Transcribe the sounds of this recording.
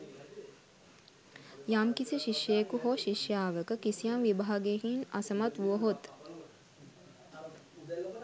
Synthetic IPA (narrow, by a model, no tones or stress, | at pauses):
jamkisiʃiʂjeːkuɦoʃiʃjaːʋəkəkisijanʋibaɦaɡekinasəmat̪ʋuəɦot̪